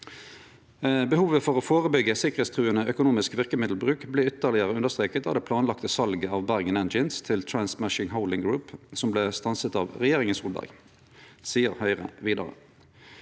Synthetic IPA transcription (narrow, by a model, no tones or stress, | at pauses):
bəhuːʋəfɔʁoːfoːʁəbʏɡːəsɪkəʁeːt̪st̪ʰʁʉːənəœkʊnuːmɪskʋɪʁkəmɪd̪l̩bʁʉːkbleːʏt̪əʁlɪəʁəʉndəʁst̪ʁeːkət̪ɑ̰ːʋd̪eːpʰlɑːnlɑkt̪əsɑlɡəɑːʋbæʁɡənɛnd͡ʒənst̪ʰɪlt̪ʰɹænsmæʃɪŋɦəʊlɪŋɡɹʉːpsɔmbleːst̪ɑnsət̪ɑːʋʁɛjeːʁɪŋənsuːlbæ̰ʁɡ | siːəʁhœʏʁə̰ʋiːd̪ɑ̰ʁə̰